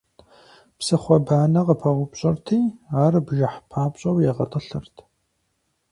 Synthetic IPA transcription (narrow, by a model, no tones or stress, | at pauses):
psɨχʷɔbaːnɐqəpʰɐʁʷʊpɕʼɐrtʰiːaːrɨbʒɐħpʰaːpɕʼɐwjɛʁɐtʼɐɬɨrtʰ